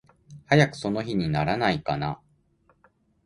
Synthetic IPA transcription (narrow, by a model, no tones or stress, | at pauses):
hajakɯ̟̥so̞no̞çiɲ̟inaɾanaikana